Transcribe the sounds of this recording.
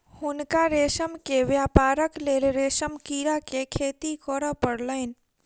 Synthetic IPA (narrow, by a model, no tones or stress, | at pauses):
hʊnkaɾeːʃəmkeʋjaːpaːɾəkleːlɾeːʃəmkiːɾakekʰeːt̪ikɔɾəpəɽlən